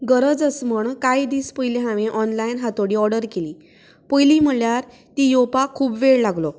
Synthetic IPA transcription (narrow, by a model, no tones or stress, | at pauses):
ɡəɾəd͡zəsməɳkajd̪iːspəjleɦãʋẽʔɔnlajnɦat̪oɽiːɔɽəɾkeliː | pəjliːm̤əɭjaɾ | t̪iːjopakʰuːbʋeɭlaɡlo